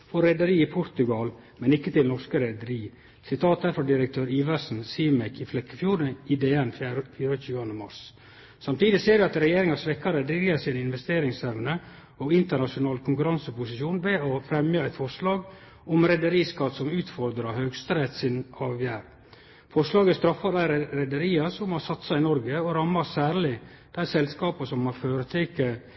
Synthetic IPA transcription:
fɔɾɾɛd̪əɾiːɪpʰʊɾt̪ʉɡɑl | mɛnɪkːət̪ɪlnɔʂkəɾɛd̪əɾiː | sɪt̪ʰɑːt̪̚d̪æɾfɔd̪ɪɾəkt̪ʰøːɾiːʋəʂn̩siːmɛkʰɪflɛkːəfjuːɾəɪd̪eːɛnffyːɾəçʉːɑnd̪əmɑ̰ɾs | sɑmt̪iːd̪ɪseːɖɛɑt̪ɾɛjeːɾɪŋɑsʋɛkːɑɾəd̪ɾɪɡəɾsiːnɪnʋɛst̪eːɾɪŋsɛʋnə | ɔɪnt̪əɳɑʂʊnɑːlkʰʊŋkʉɾɑnsəpʊsɪʃjuːnʋɛɔfɾɛmjɑɛt̪fɔʂlɑːɡ | ɔmɾɛd̪əɾiːskɑt̪sɔmʉːt̪fɔɾd̪ɾɑhøːɡst̪ɾɛt̪sɪnɑːʋjæːɾ | fɔʂlɑːɡəst̪ɾɑfːɑd̪æɪɾɾɛd̪əɾiːɑsɔmhɑsɑt̪ːsæɪnɔɾɡəɔɾɑmːɑsæːɾlɪ | d̪̥æɪsɛlskɑːpɑsɔmhɑføːɾət̪ʰeːkːə

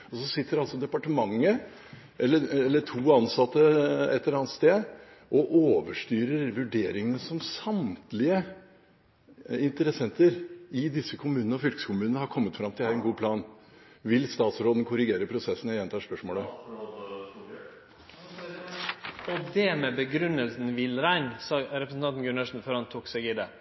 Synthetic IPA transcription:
ɔsɔsɪt̪ːəɾɑlsɔd̪ɛpɑʈəmɑŋːə | ʔɛlːəɛlːəʈʰuːɑnsɑt̪ːəɛt̪ːəɾɑːnt̪st̪eːd̪ | ʔɔʔoːʋəʂʈyːɾəɾʋʉɖeːɾɪŋənəsɔmsɑmt̪lɪə | ɪnt̪əɾɛsɛnt̪əɾɪd̪ɪsːəkʰʊmʉːnənəɔfʏlkə̥səkʰʊmʉːnəəhɑɾkʰɔmːət̪fɾɑmt̪ʰɪlhæɾɛnɡuːpʰlɑːnʋɪlst̪ɑːt̪sɾoːd̪ən̩kʰʊɾɪɡeːɾəpʰɾʊsɛsːənjɛnt̪ʰɑːʂpœʂmoːlə | ɔd̪ɛmɛbəɡɾʉnəlsn̩ʋɪlɾæɪnsɑɾɛpɾəsn̩ɑnt̪n̩ɡʉnɑʂn̩fɔɾɑnt̪ʰuːksɛɡɪd̪ɛ

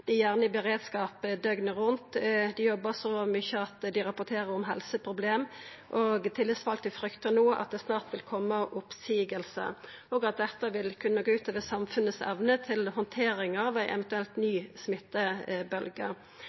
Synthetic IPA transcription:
d̪̥ɪjæːʁnəbəʁeːd̪skɑːpd̪œɡnəʁʉnt̪d̪ɪjɔbːəsɔmʏçəɑt̪d̪ɪʁɑpːʊt̪ʰeːʁəʁɔmɦɛlsəpʰʁʊbleːm | ʔoːɡt̪ʰɪlːəsfɑlt̪ɪfɾʏkt̪ənuːʔɑ̰t̪̚d̪ɛːsnɑːʁt̪ʋɪlkʰɔmːəʔʊpsiːɡəlsə̰ | oːɡɑt̪̚d̪ɛt̪ːəʋɪlkʰʉnːəɡoːʉːt̪ʰɑːʋəsɑmfʉnəsɛ̰ʋnət̪ʰɪlhɔnt̪ʰeːɾɪŋɑʋæɪʔɛ̰ʋənt̪ʉɛlt̪nyːsmɪt̪ːəbœlɡə̰

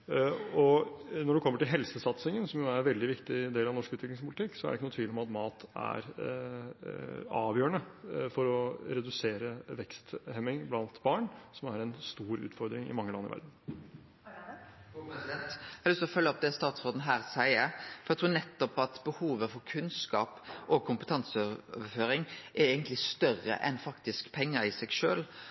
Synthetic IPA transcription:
ɔnɔɖʉkʰɔmːəʈɪlɦɛlsəsɑt̪sɪŋənsɔmjʊæɾʋɛld̪ɪʋɪkt̪ɪd̪eːlɑʋnɔʂkʉːt̪ʋɪklɪŋspʰʊlɪt̪ɪkːsɔæ̰ɾɖɛɪkːənːt̪ʰʋiːd̪ɪɔmɑt̪mɑːt̪æ̰ɾ | ɑːʋjøːəɳəfɔɾɔɾɛd̪ʉseːɾəʋɛkst̪hɛmɪŋblɑnt̪bɑːɳsɔmæɾɛnst̪uːɾʉ̰ːt̪fɔɾd̪ɾɪŋɪ̰mɑŋːəlɑnːəɪ̰ʋæ̰ɾd̪n̩ | ɛnt̪æɪlst̪ɾɔfœlːəɔp̚d̪ɛst̪ɑːt̪sʁoːd̪n̩ɦæːʁsæɪəfɔɾjæɪt̪ʰuːɾnɛt̪ːɔpɑt̪bəhuːʋəfɔɾkʰʉnskɑ̰ːpʔɔkʰʊmpət̪ʰɑnsəøøʋəføːɾɪŋʔɛɛːɡənt̪lɪst̪œrə̰ʔɛ̰nfɑkt̪ɪskpʰɛŋːəɾɪsɛɡʃøːl

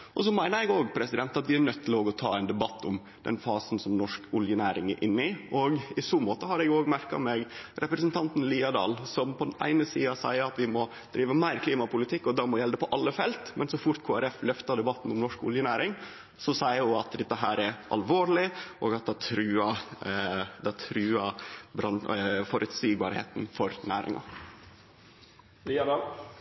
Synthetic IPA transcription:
ʔɔsɔmæɪnəɾjɛɡoːɡpʰɾɛsɪd̪ɛnt̪ɑt̪ʋɪæɾnœt̪ʰːɪloːɡɔt̪ʰɑ̰ːɛɪnd̪ɛbɑt̪ːʊm | d̪̥ɛ̰nfɑːsn̩sɔmnɔʂkʊljənæːɾɪŋæɾʔɪnːɪʔɔɡɪsuːmoːt̪əɦɑɾɛɡoːɡmæɾkɑ̰meːɡɾɛpɾəsnt̪ʰɑnt̪n̩liːɑd̪ɑ̰ːlsɔmpʰɔd̪ɛnʔæ̰ɪnəsiːɑsæɪəɾɑt̪ʋɪmɔ | d̪̥ɾiːʋəmæɪɾkʰliːmɑpʊlɪt̪ʰɪkːɔd̪ɑmɔjɛld̪əpɔʔɑlːəfɛlt̪mɛnsɔfʊɾt̪kʰoːæɾɛflœft̪ɑd̪ɛbɑt̪n̩ɔmnɔʂkʊ̰ljənæːɾɪŋ | sɔsæɪəjʊɑt̪d̪ɛt̪ːəɦæːɾɛɾʔɑ̰lʋoːɭɪʔɔːɡɑt̪̚d̪ɛt̪ʰɾʉːɑ | d̪ɛt̪ʰɾʉːɑbɾɑnfɔɾʔʉt̪siːɡbɑ̰ːɾhḛːt̪n̩fɔɾnæːɾɪ̰ŋɑ̰ | liɑd̪ɑl

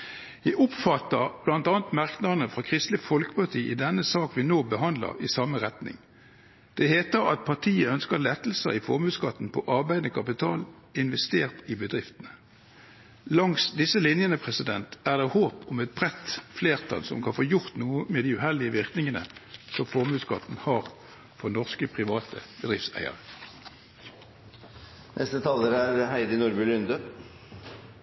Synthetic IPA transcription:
jæɪʔʊpfɑt̪əʁb̥lɑnt̪ɑːnt̪mɑʁknɑʁnəfʁɑkʰʁɪst̪lɪfɔlkə̥pɑʁt̪ʰiːʔɪd̪ɛnːəsɑːkʋɪnoːbəɦɑnd̪lə̰ʁɪsɑməʁɛt̪nɪ̰ŋ | d̪̥ɛheːt̪əʁɑ̰t̪̚pʰɑʁt̪ʰiːəœnskəlɛt̪ːl̩sə̰ʁɪfɔʁmʉːskɑt̪ːn̩pʰɔʔɑʁbæɪd̪əkʰɑpɪt̪ʰɑːl | ɪnʋɛst̪eːʁt̪ɪbəd̪ʁɪft̪ənə | lɑŋsd̪ɪsəlɪnjənəpʰʁɛsɪd̪ɛnt̪æːʁd̪eːhoːpʊmɛt̪̚bʁɛt̪fleːʁt̪ʰɑ̰lsɔ̰mkʰɑnfoːjʊʁt̪nuːəmeːd̪iʉhɛlɪəʋɪʁknɪŋənə̰sɔmfɔʁmʉːskɑt̪n̩hɑːʁ | fɔʁnɔʁskəpʰʁɪʋɑːt̪ʰə̰bəd̪ʁɪft̪sæ̰ɪə̰ʁə | nʔɛst̪ət̪ʰɑːləɾæɾhæɪd̪ənuɾbʉlʏnd̪ə

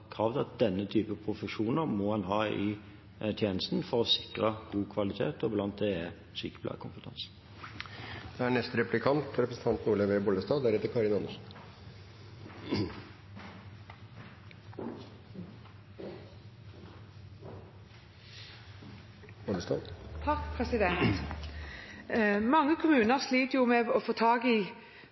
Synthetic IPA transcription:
kʰʁɑːʋd̪ɑt̪̚d̪ɛnːət̪ʰyːpəpʰʁʊfəʂuːnəʁmɔhɑnɦɑːɪ | t̪ʰjeːnəst̪nfɔʁɔsɪkʁəɡ̥uːkʰʋɑlɪt̪ʰeːt̪ɔblɑnt̪̚d̪ɛ | syːkə̥plɑ̰ːkʊnfət̪ʰɑ̰ns | d̪̥ɛæɳɛst̪ɾɛplɪkʰɑnt̪ɾɛpɾəsn̩t̪ɑnt̪nuːləʋeːbɔləst̪ɑːd̪æɾɛt̪ːəɾkʰɑɾɪnɑnːəʂn | bɔləst̪ɑ̰ːd̪t̪ʰɑkpʰʁɛsɪd̪ɛnt̪ | mɑŋːəkʰʊmʉːnəʁsliːt̪əjʊmɛːɔfoːt̪ʰɑːɡi

